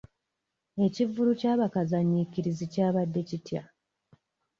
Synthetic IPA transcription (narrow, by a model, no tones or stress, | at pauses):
e̞civulucaːβakazaɲikiɾizicaːβadːe̞citja̰